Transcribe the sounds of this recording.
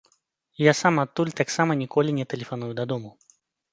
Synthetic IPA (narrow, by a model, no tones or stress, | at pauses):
jasamat̪ːulʲt̪aksamɐnʲikɔlʲinʲɛt̪ɛlʲɛfanujud̪ɐd̪ɔmu